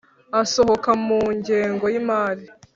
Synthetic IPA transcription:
asoɦokamuːɲɟe̞ːŋɡo̞jimaːɾi

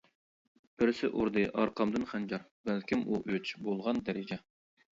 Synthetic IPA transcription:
b̥ɪɾsɪʔoɾd̪ɨʔɑɾqʰɑmd̪ɨnχænd͡ʒɑɾ | bælkʲimuʔøt͡ʃbolˠʁɑnd̪æɾɪd͡ʒɛ

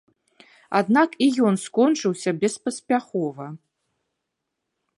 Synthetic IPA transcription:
a̰d̪nakijɔnskɔnt͡ʂɨwsʲɐbʲɛspɐsʲpʲaxɔvɐ

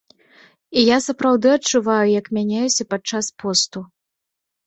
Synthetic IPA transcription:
ijasɐpɾawd̪ɨɐt͡ʂːuvajujɐkmʲanʲajusʲɐpat͡ʂaspɔst̪u

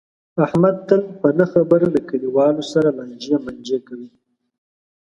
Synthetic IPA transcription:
ahmad̪̚t̪əlpənəxabəɾalakaliwɑlosaɾaland͡ʒiamand͡ʒakawi

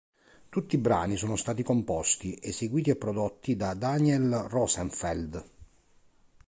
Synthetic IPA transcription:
t̪ut̪ːibɾa̰ːnisoːnost̪aːt̪ikompɔst̪iʔeseɡwiːt̪iapːɾɔd̪ɔt̪ːid̪ad̪aniɛlrɔsɛɱfɛld̪

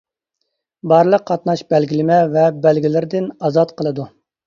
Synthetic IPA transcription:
bɑɾlˠəqʰːɑt̪nɑʃbɛlɡʲilɪmɛvɛbɛlɡʲilɪɾɪd̪ɪnɑzɑt̪qʰəlˠɨd̪u

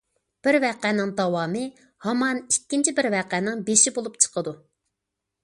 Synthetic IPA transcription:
b̥ɪɾvɛqænɪŋd̪ɑwɑːmɨ | hɑmɑnikʲːint͡ʃʰibɪɾvɛqænɪŋbeʃibolˠupt͡ʃʰə̥qəd̪u

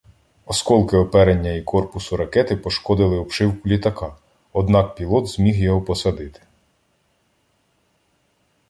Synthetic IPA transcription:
ɔskɔlˠkɪɔpɛɾenʲːɐikɔrpʊsʊɾɐkɛt̪ɪpɔʃkɔd̪ɪlˠɪɔpʃɪwkʊlʲit̪ɐkɑ | ɔd̪nɑk̚pʲilˠɔt̪z̥mʲixjɔɦɔpɔsɐd̪ɪt̪ɪ̥

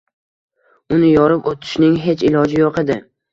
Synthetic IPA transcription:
ʊnɪjɒɾɪpot̪ʰɪ̥ʃnɪŋɦet͡ʃɪlɒd͡ʒɪjoqʰed̪ɪ

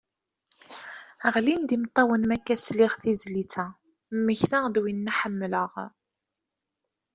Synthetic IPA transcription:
əʁlind̪imt̪ˤːɑwənmækːæsliʁθizlit͡sæ | mːəçθad̪winːæħəmːləʁ

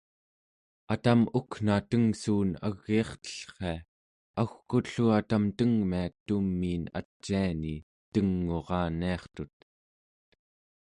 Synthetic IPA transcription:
at̪amukn̥at̪əŋsuːna̰ɣːiːχt̪ə̥ɬχe̞a | axkut̪ɬuat̪amt̪əŋmiat̪umːiːna̰t͡ʃːiani | t̪əŋːoʁɑːniɑχt̪ut̪̚

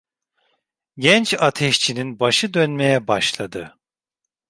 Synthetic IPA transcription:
ɟɛnt͡ʃat̪ʰɛʃt͡ʃʰininbaʃɯd̪ønmejɛbaʃlˠad̪ɯ

